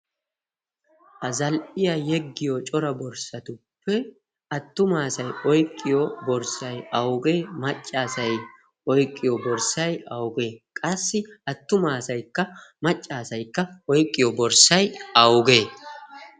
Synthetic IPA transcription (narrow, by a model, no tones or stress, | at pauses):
ʔɐzɐlʔɪjɐjɛɡːɪjot͡ʃʼɔɾɐbɔɾsɐt̪ʊpːɛ | ɐt̪ːʊmaːsɐjɔjkʼːɪjobɔɾsɐjɐwɡe̞ːmɐt͡ʃʼːaːsɐj | ɔjkʼːɪjɔbɔɾsɐjɐwɡe̞ːkʼɐsːɪɐt̪ːʊmaːsɐjkːɐmɐt͡ʃʼːaːsɐjkːɐɔjkʼːɪjɔbɔɾsɐjɐwɡe̞ː